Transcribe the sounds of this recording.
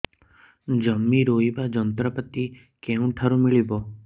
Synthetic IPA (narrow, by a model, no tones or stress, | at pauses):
d͡ʒəmːiɾoibad͡ʒənt̪ɾəpət̪i | kẽũʈʰaɾũmiɭibo